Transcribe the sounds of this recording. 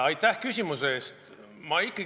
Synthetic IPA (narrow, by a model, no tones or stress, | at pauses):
ɑjt̪ːˑæhkysʲimuse̞e̞ːst̪ | mɑikːˑɑ